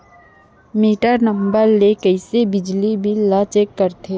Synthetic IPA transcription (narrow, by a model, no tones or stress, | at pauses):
miːʈəɾnə̃mbəɾlekəɪsebɪd͡ʒlibʱilat͡ʃeːkːəɾt̪ʰeː